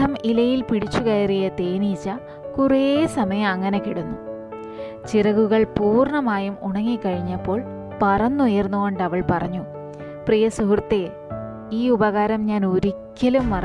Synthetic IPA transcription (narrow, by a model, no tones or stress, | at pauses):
ɐmilɐjilpiɽit͡ɕːuɣɐjɐrijɐt̪e̞ːnit͡ɕːɐ | kuresɐmɐjɐmɐŋːɐne̞kiɽunːu | t͡ɕirɐɣuɣɐɭpuːrɳɐmaːjumuɳɐŋːikːɐɻiɲːɐpːo̞ːɭ | pɐrɐnːujɐrnːuɣoɳɖɐʋɐɭpɐrɐɲːu | prijɐsuɦrɐt̪ːe | iːubɐɣaːɾɐmɲaːnuɾikʲːɐlumʋɐrɐ